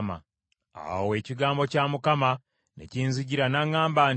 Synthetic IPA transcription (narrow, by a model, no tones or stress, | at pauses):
ma̰ | a̰we̞ːciɡaːmbo̞caːmukama | nḛciːnziɟiɾanaŋːaːmbaːn